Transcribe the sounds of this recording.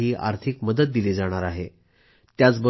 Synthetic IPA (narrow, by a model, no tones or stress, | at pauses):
ɦiːʔa̰ɾt̪ʰikməd̪ət̪̚d̪iled͡zaɽ̃aɾaɦe | t̪jat͡sbə